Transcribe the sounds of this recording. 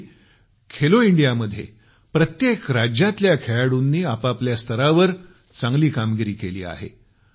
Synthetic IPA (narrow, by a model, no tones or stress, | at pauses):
kʰeloiɳɖijaməd̪ʱːjḛ | pɾət̪jekɾad͡ʑjat̪ljakʰeɭaɽunːiːapapljast̪ʰəɾaʋəɾ | t͡sãŋɡliːkamɡiɾiːkelḭːa̰ɦḛ